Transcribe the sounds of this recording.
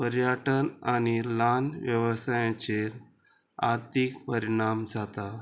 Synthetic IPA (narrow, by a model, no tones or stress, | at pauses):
pəɾjəʈənañilanʋjəʋəsajãt͡ɕeɾ | aɾt̪ʰikpəɾiɽ̃amd͡zat̪a